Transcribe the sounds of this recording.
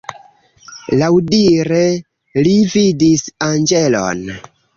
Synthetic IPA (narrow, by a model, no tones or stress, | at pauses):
lawdiɾe | lividisand͡ʒelo̰n